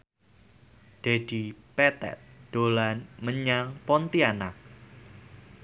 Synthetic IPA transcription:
d̥ed̥ipɛt̪ɛ̰t̪̚ɖ̥olanməɲaŋpɔnt̪ianak̚

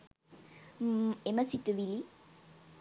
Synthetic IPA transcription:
eməsit̪ɨʋili

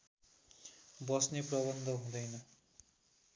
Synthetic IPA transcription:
bʌsneprʌbʌnd̪ʱʌɦũd̪ʌjnʌ

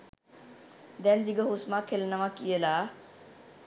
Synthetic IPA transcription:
d̪ɛnd̪iɡəɦusmakʰelnamãkielaː

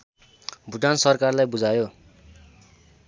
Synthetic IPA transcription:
bʱuʈansʌrkarlajbud͡zʱajo

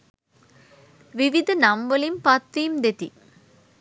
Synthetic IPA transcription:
ʋiʋid̪ʱɐnɐmbɐlimpɐt̪ːijmd̪et̪i

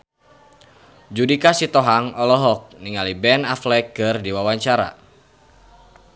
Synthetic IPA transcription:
d͡ʒudikasit̪ɔɦaŋɔlɔɦɔk̚niŋalibɛnaflɛkɨrdiwawaɲt͡ʃaɾa̰

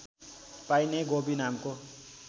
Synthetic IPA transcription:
pajneɡobinamko

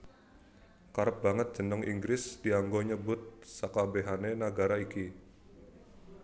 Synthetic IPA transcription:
kaɾəp̚baŋət̪̚d̥d͡ʒ̥ə̤nɔŋḭŋɡɾɪsdiaŋɡoɲəbʊt̪̚sakabeɦanenəɡaɾaiki

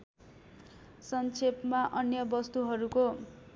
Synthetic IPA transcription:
sʌnt͡sʰepmaʔʌnjʌbʌst̪uɦʌɾuko

